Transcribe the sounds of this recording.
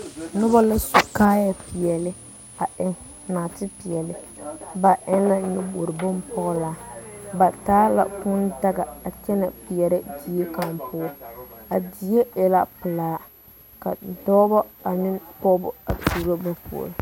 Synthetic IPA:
nʊ˦ba˦la˦su˨kaː˦ja˨pi˨ɛ˨lɪ˦ | a˨ɛ˦n | naː˨tɪ˦pi˨jɛ˨lɪ˨ba˨ʔɛ˦n˦la˦nɪ˦bo˨ɾɪ˨bʊ˦mpɔ˦ɣʊ˦laː˨˦ba˨taː˦la̰˨kʊ˦nda˦ɡa˨a˨t͡ʃɛ˦na˨pi˨jɛ˨ɾɪ˦di˨je˦ka˨mpʊ˦a˨di˨je˦jɛ˨la˦pɨ˨laː˨˦ | ka˨dɔː˦bɔ˦a˨nɪ˦kɔ˦bʊ̰˨a̰˨tu˨ɾo˦ba˦pṵ˨o̰˨ɾɪ˨

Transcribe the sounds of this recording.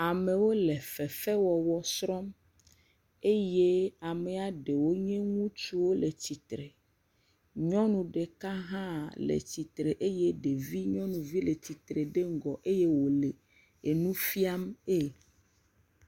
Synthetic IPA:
a˨mẽ˨wo˦lɛ˨fɛ˨fɛ˦wɔ˨wɔ˦sɾɔ˦m | e˦je˦a˨me˨a˨ɖe˨wo˦ɲɛ̃˦ŋũ˦t͡ʃu˦wo˦le˨t͡ɕi˨t̪ɾe˨ | ɲɔ̃˦nũ˨ɖe˨ka˦ɦã˦lḛ˨t͡ɕi˨t̪ɾe˨ʔe˦je˦ɖe˨vi˦ɲɔ̃˦nũ˨vi˦le˨t͡ɕi˨t̪ɾe˨ɖe˦ŋ˦ɡɔ˨ʔe˦je˦wo˨le˨ | e˨nũ˦fi˦a˦me˦

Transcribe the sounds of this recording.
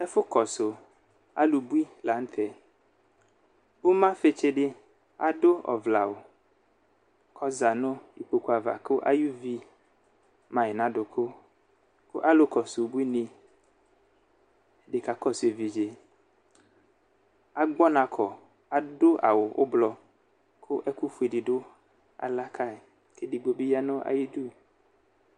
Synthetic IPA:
ɛ˦fʊ˦kɔ˨sʊ˨ | a̰˦lu˨bu˦i˦la˨n̩˦t̪ʰɛ˨ | ʊ˦mã˦fe˦t͡ʃe˦ɖɪ˦ | a̰˨dʊ˦ɔ̰˨vla˨wʊ˨ | kʰɔ˦za˨nʊ̃˦i˨k͡po˨ku˦a˨va̰˨kʊ˦ʔa̰˦ju˦vi˦ | mã˨ɪ˨nã˨dʊ˨kʰʊ˦ | kʊ˦ʔa˦lʊ˦kɔ˨sʊ˨bu˦i˦nĩ˦˨ | dɪ˨ka˨kɔ˦se˨vi˨d͡ʒe˨ | a˦ɡ͡bɔ˦nã˨kʰɔ˨ | a˨dʊ˦ʔa̰˨wʊ˨ʔʊ̰˦blɔ˨ | kʰʊ˦ʔɛ˦ku˦fu˨˦i˨dɪ˨dʊ˦ | a̰˨la˦kʰa˦˨ | ke˦di˨ɡ͡bo˨bi˦ja˦nʊ̃˦ʔa̰˨ji˦du˦˨

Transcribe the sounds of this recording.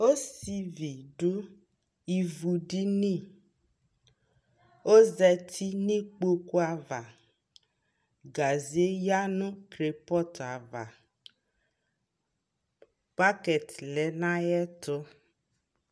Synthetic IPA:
o˦si˨vi˨ɖu˦ | i˨vu˨ɖi˦nĩ˦˨ | o˦zɛ˨t̪ʰi˦nĩ˦k͡po˦ku˦a˨va˨ | ɡa˨zi˨˦e˦ja˦nũ˦tɾe˨pɔ˦ta˨va˨ | pa˦kɛ˨t̪lɛ˨˦nã˦jɛ˦t̪ʊ˦

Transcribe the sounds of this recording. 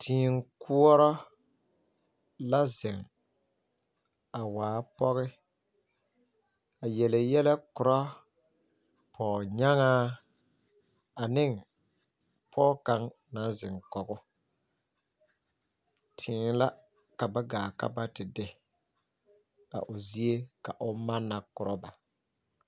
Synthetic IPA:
tʰiː˨ŋ˦kʰu˦ɔ˦ɾɔ˦ | la˦zɪ˨ŋ | a˨waː˨˦pɔ˦ɣɪ˦ | a˨jɛ˨lɪ˨jɛ˦lɛ˦kʊ˨ɾɔ˦ | pʰɔː˨ɲa˦ŋaː˦ | a˨nɪ˦ŋ | pʰɔː˦ka˦ŋ | na˨n˦zɪ˨ŋkɔ˨ɡʊ˦ | tʰɪː˨˦la˦ | ka˨ba˦ɡaː˨ka̰˦ba˦tɪ˨dɪ˨ | a̰˨ʔʊ˨zi˦e˦ka˨ʔʊ˦ma˦nːa˨kʊ˨ɾɔ˦ba˨

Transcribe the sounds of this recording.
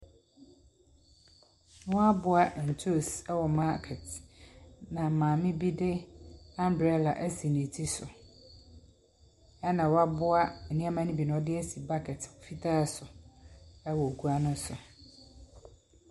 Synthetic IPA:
wɔ˦a˦bʊ˦a˨n̩˨tʰo˦˨sɛ˦wɔ˨ma˦kʰɛ˨t | nã˨mãː˨mɪ̃˦bi˦dɪ˦ã˦mdɾɛ˦la˨ʔæ˦si˨nẽ˨tʰi˦sʊ˨ | ɛ˦nã˨wɔ˦a˦bʊ˦a˦ɛ˨nĩ˦a˦mã˦nɪ̃˦bi˨nʊ̃˨ɔ˦dɪ˦ɛ˦si˨ba˦kʰɛ˨tʊ˨fi˦tʰa˦sʊ˨ | ɛ˦wɔ˨ku˦a˦nʊ̃˦sʊ˨

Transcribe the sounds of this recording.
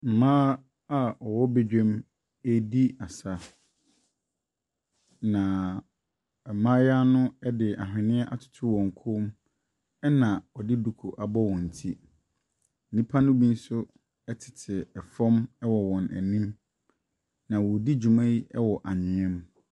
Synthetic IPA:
m̩˨mãː˦ | a˦ɔ˨wɔ˦be˦d͡ʑᶣɛ˦m | e˦di˦a˨sa˨ | nã˨ | ɛ˨mã˦ja˦nʊ̃˦ɛ˦dɪ˨ʔa˨ɦᶣɪ̃˨nɪ̃˦ɛ˦ʔa˨tʰʊ̥˨tʰʊ˦wɔ̃˨ŋ˨kʰo˦m | ɛ˦nã˨ɔ˨dɪ˦du˨kʰo˨ʔa˨bɔ˦wɔ̃˨n̩˨tʰi˦ | n̩˦nĩ˦pʰa˦nʊ̃˦bĩ˦n̩˦sʊ˦ | ɛ˦tʰɪ̥˨tʰɪ˨ɛ˨fɔ̃˦mɛ˦wɔ˨wɔ̃˨næ̰˨nĩ˦m | nã˨wɔ˨di˦d͡ʑu˨mã˦ji˦ʔɛ˦wɔ˨ʔa˨ɲɪ̃˨ɛ̃˦m

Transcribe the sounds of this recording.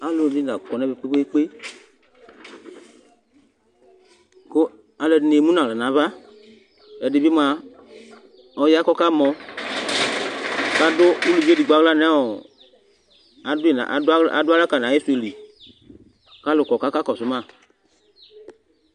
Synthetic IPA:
a˨lʊ˨di˦na˨kɔ˨nɛ˨˦be˨k͡pe˦ɡ͡be˦k͡pe˦ | ko˦ | a˧lɛ˧˨ne˨mũ˦na˨la˨nã˨˦βa˦ | ɛ˨dɪ˨bi˦m˦a˧ | ɔ˧ja˦kɔ˦ka˦mɔ˧ | ka˦dʊ˦i˦lu˨vi˦e˦di˨ɡ͡ba˨˦ɡla˦nɛ˨˦ɔ˨ | a˨de˨na̰˨ʔa̰˨dʊ˦a˦la˦ka˨nã˨je˦su˨e˨li˨ | ka˦lʊ˨kɔ˨ka˨˦ka˦kɔ˨sʊ˨˦ma˦˨

